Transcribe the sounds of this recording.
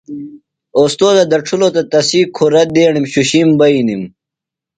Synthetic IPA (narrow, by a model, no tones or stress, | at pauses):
oːst̪oːd̪ɐd̪ɐʈ͡ʂʰulot̪ɐt̪ɐsiːkʰoɾɐd̪eːɳimɕuɕimbɐinim